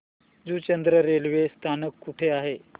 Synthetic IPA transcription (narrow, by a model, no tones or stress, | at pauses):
d͡zuːt͡ɕənd̪ɾəɾelʋest̪ʰanəkːuʈʰeaɦe